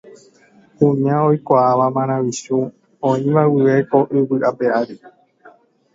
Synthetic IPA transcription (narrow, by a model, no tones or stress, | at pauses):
kũɲãojkʷaːʋamãɾ̃ãʋiʃu | õĩʋawɨʋe̞ko̞ʔɨʋɨʔapeaɾi